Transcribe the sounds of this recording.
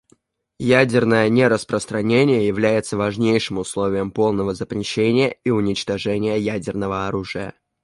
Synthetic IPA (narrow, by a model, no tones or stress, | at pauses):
jædʲɪrnəjənʲeɾəspɾəst̪ɾɐnʲenʲɪjəjɪvlʲæjɪt̪səvɐʐnʲejʂɨmʊslˠovʲɪjəmpo̞lˠnəvəzəpɾʲɪɕːenʲɪjəiʊnʲɪt͡ɕt̪ɐʐɛnʲɪjəjædʲɪrnəvəɐɾuʐɨjə̰